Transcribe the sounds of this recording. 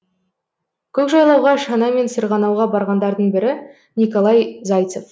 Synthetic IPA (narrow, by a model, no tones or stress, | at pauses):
kʲʰɵkʒɑjlˠɑwʁɑʃɑnɑme̞nsəɾʁɑnɑwʁɑbɑɾʁɑnd̪ɑɾd̪əɴbɪɾɪ | nikolˠɑjzɑjt̪sof